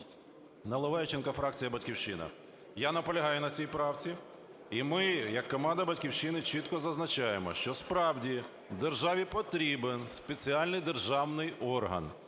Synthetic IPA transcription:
nɐlˠɔʋɛjt͡ʃenkɐfɾɑk̚t͡sʲijɐbɐtʲkʲiwʃɪnɐ̰ | janɐpɔlʲɐɦɑjʊnɐt͡sʲijpɾɑwt͡sʲi | imɪjɐkːɔmɑnd̪ɐbɐtʲkʲiwʃɪnɪt͡ʃit̪kɔzɐznɐt͡ʃɑjemɔ̰ʃt͡ʃɔspɾɑwdʲi | wd̪erʒɑʋʲipɔt̪ɾʲibenspet͡sʲiɑlʲnɪjd̪erʒɑwnɪjɔrɦɐ̰n

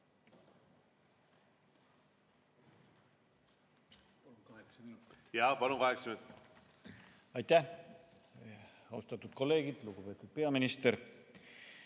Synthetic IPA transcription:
jɑpɑlukɑheksymest̪ | ɑjt̪ːæh | ost̪ɑt̪ːˑud̪̥ko̞lːe̞ːɡ̥id̪̥luɡupe̞ːt̪ːˑud̪̥̚pe̞ɑminist̪eɾ

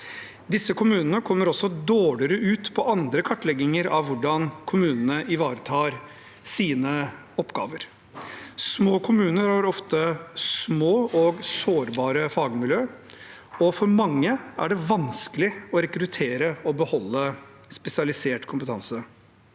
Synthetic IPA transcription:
d̪ɪsːəkʰʊmʉːnənəkʰɔmːəɾɔsːɔd̪oːɽɪɾəʔʉːt̪pʰɔʔɑnd̪ɾəkʰɑʈːlɛɡːɪŋəɾɑʋːʊɖɑnkʰʊmʉːnənəʔɪʋɑːɾət̪ʰɑːɾ | siːnə | ɔpːɡɑ̰ːʋəɾ | smoːkʰʊmʉːnəɾhɑːɾɔft̪əsmoːɔɡsoːɾbɑːɾəfɑːɡmɪljøː | ɔfɔɾmɑŋːəæ̰ɖɛʋɑnskəlɪɔɾɛkɾʉt̪ʰeːɾəɔbəhɔlːə | spɛsɪɑlɪseːʈkʰʊmpət̪ʰɑnsə

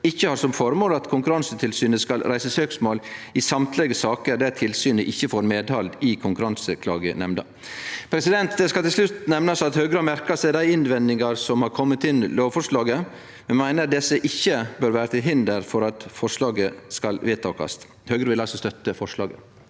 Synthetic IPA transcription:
ɪçːəhɑɾsɔmfɔɾmoːlɑt̪kʰʊŋkʉɾɑnsət̪ʰɪlsyːnəskɑlɾæɪsəsøːksmoːlɪsɑmt̪ʰlɛɡəsɑːkəɾd̪æt̪ʰɪlsyːnəʔɪçːəfɔɾmeːd̪hɑld̪ɪkʰʊŋkʉɾɑnsəkʰlɑ̰ːɡə̰nɛmnə̰ | pʰɾɛsɪd̪ɛnt̪d̪ɛskɑlɪlslʉt̪nɛmnɑsɑt̪høːɡɾəhɑmæɾkɑsæɪd̪æɪɪnʋɛnd̪ɪŋɑɾsɔmhɑɾkʰɔmːət̪ɪnloːʋfɔʂlɑːɡə | mɛnmæɪnəɾd̪ɛsːəʔɪçːəbøːɾʋæːɾət̪ɪlɦɪnd̪əɾfɔɾɑt̪fɔʂlɑːɡəskɑlʋeːt̪ʰɑːkɑ̰s | høːɡɾəʋɪlɑlsɔst̪œt̪ːəfɔʂlɑ̰ːɡə

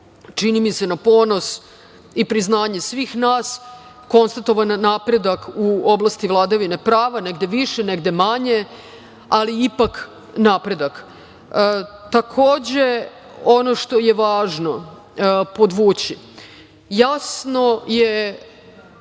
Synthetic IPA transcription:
t͡ʃinimise̞napo̞ːno̞s | ipɾiznaːɲe̞sʋiːxnaːs | ko̞nst̪at̪o̞ʋanːaːpɾe̞d̪akuo̞blˠast̪iʋlˠad̪aʋine̞pɾaːʋane̞ɡd̪eʋiʃeneɡd̪e̞maɲe̞ | aliipak | naːpɾe̞d̪ak | t̪akʰo̞ːd͡ʑe | o̞no̞ʃt̪o̞je̞ʋaːʒno̞ | po̞d̪ʋuːt͡ɕi | jasno̞je

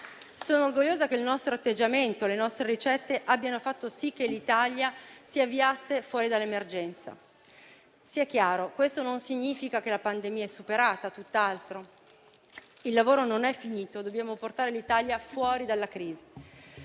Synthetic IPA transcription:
soːnoːrɡoʎːoːzakeilnɔst̪ɾoat̪ːed͡ʒːament̪olenɔst̪ɾeɾit͡ʃɛt̪ːeʔabːjanofat̪ːosik̟ːelːit̪aljasiavːiasːefwɔːɾid̪alːemerd͡ʒɛnt̪sa̰ | siɛk̟ːjaːɾokwest̪ononsiɲːiːfikakelapand̪emiːaɛsːupeɾaːt̪at̪ut̪ːalt̪ɾo | ilːavoːɾononɛfːiniːt̪od̪obːjaːmoport̪aːɾelit̪aljafwɔːɾid̪alːakɾiːzi

